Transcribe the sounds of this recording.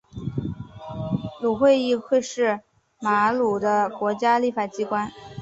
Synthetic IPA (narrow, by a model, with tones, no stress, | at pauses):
lu˨˩xwe˥˧ɪi˥˧xwe˥˧ɪʂɻ̩˥˩ | ma˧˥lu˨˩d̪ə˦kwɔ˧˥t͡ɕja˥li˥˩fa˨˩t͡ɕi˥kwa˥n